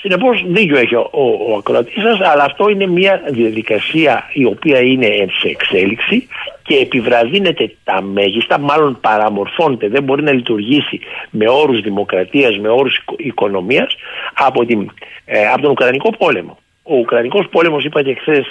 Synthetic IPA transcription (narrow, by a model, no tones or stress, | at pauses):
sine̞po̞sðico̞eçioːɐkɾoɐt̪isɐsɐlɐːft̪o̞ine̞miɐðiɐðikɐsiɐio̞piɐine̞enseːkse̞liksice̞ːpivɾɐðine̞t̪e̞t̪ɐme̞ʝist̪ɐmɐlo̞npɐɾɐmo̞ɾfo̞net̪e̞ðe̞mbo̞ɾinɐlit̪uɾʝisime̞o̞ɾuzðimo̞kɾɐt̪iɐzme̞o̞ɾusi̥iko̞no̞miɐsɐpo̞t̪imɐpot̪oukɾɐniko̞po̞le̞mo̞ | o̞ukɾɐniko̞spo̞le̞mo̞sipɐt̪ekθes